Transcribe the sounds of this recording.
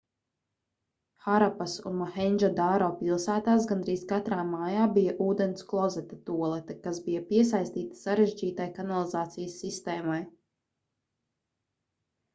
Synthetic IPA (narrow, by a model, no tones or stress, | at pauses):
xaɾapasṵnmaxɛnʲd͡ʒad̪aːɾoːpilˠsæːt̪aːsɡand̪ɾiːskat̪ɾaːmaːjaːbijaʔuːd̪ɛnsklˠɔzɛt̪at̪uɔlˠɛt̪akazbijapiɛs̬ajst̪iːt̪ḁsaɾeʒd͡ʒiːt̪ajkanalˠizaːt̪sijəsːist̪ɛːmaj